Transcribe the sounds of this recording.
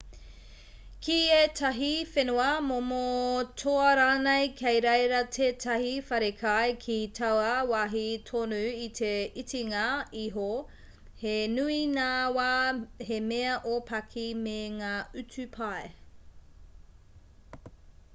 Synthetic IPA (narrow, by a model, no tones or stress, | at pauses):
kʰietʰɐɦifenuɐmomotʰoɐɾaːnejkʰejɾejɾɐtʰeːtʰɐhifɐɾekʰajkʰitʰɐwɐwaːɦitʰonʉitʰeitiŋɐiɦo | henuinaːwahemeɐʔopʰɐkʰimeŋaːʉt͡sʉpʰae